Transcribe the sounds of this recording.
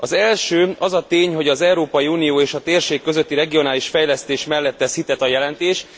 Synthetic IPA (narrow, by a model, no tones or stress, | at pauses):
ɒzɛlʃøːɒzɒt̪eːɲɦo̞ɟɒzɛuɾoːpɒjiuːnijoːeːʃɒt̪eːrʃeːkːø̞zø̞t̪ːiɾɛɡio̞naːliʃfɛjlɛst̪eːʃmɛlːɛt̪ːɛshit̪ɛt̪ɒjɛlɛnt̪eːʃ